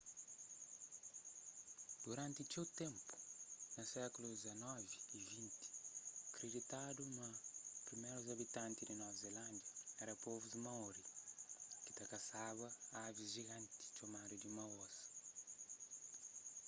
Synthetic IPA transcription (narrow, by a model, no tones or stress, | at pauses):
d̪̥uɾãnt̪it͡ʃewt̪ẽmpu̥nɐsɛkulud̪ɪzɐnɔviːvĩnt̪i̥ɐkɾed̪it̪ad̪unɐpɾimejɾuzɐβit̪ãnt̪id̪inɔvɐzelãnd̪jɐɛɾɐpovuzmɐɔɾi | ki̥t̪ɐkɐsaβɐavizʒiɣãnt̪i̥t͡ʃomad̪ud̪imɐwosɐ̥